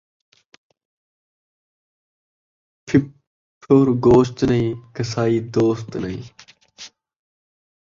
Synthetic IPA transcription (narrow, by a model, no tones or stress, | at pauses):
pʰ | pʰoːɾɡoːst̪nəĩːkəsaːiːd̪oːst̪nɐɦḭ̃ː